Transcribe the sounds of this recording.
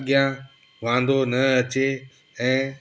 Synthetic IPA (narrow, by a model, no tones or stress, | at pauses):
ɠɪjãː | ʋãːnd̪onəɐt͡ɕeː | ɛ̃ː